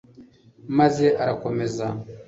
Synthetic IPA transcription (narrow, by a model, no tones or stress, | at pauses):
mazeʔaɾakomɛza